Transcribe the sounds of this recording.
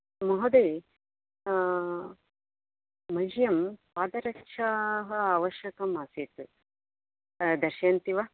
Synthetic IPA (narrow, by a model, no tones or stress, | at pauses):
mɐɦod̪ɐj | mɐd͡ʒjɐmpaːd̪ɐɾɐkʂaɦɐaːʋɐʃjɐkɐmaːsit̪ɨ | d̪ɐɾʃaːnt̪iʋa